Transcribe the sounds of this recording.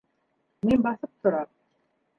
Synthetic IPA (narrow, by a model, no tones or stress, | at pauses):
minbɑθɤp̚t̪ʰŏɾɑm